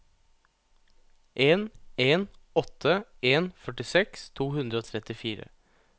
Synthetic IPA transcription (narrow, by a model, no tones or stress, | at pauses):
ʔeːneːn | ɔt̪ʰəeːnfœʈɪsɛkst̪ʰuːhʉnd̪ɾəoːt̪ʰɾɛt̪ɪfiːɾə̰